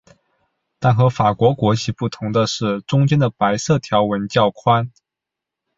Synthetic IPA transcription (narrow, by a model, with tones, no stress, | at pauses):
t̪a˥˩nxɤ˧˥fa˨˩kwɔ˧˥kwɔ˧˥t͡ɕʰi˧˥pu˥˩t̪ʰʊ˧˥ŋd̪ə˧ʂɻ̩˥˩ʈ͡ʂʊ˥ŋt͡ɕjɛ˥nd̪ə˨pa˧˥ɪsɤ˥˩t̪ʰjɑ˧˥ʊwə˧˥nt͡ɕjɑ˥˩ʊkʰwa˥n